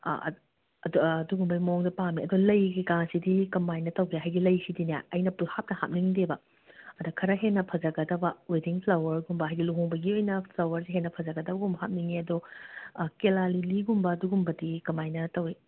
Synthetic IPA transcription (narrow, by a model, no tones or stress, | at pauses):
ɐdduɡumbɐmoŋdɐpamiʔɐdolɐjɡikaŋsidikɐmajnɐtɐwɡeɦajɡilɐjsidinaɐjnɐpuhap̚nɐha̰p̚niŋdebɐ | ɐdɐkʰɐɾɐɦenɐpʰɐd͡ʒɐɡɐdɐbɐwediŋpʰlɐwɐɾɡumbɐɦajɡiluɦoŋbɐɡiojnɐpʰlɐwɐɾsiɦenːɐpʰɐzɐɡɐdɐbɐɡumbɦap̚niŋiɐdo | kelaliliɡumbɐːduɡumbɐdikɐmajnɐtɐwi